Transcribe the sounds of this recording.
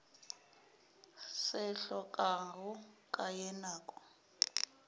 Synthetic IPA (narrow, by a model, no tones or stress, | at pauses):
sɛɬɔkʼaɔkʼajɛnaːkʼɔ̥